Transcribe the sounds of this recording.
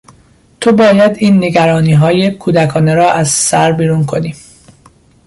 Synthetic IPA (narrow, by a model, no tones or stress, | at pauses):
t̪ʰobɒːjæd̪iːnːe̞ɡæɾɒːniːɦɒːjekʰuːd̪ækʰɒːneɾɒːʔæzsæɾbiːɾuːnkʰo̞niː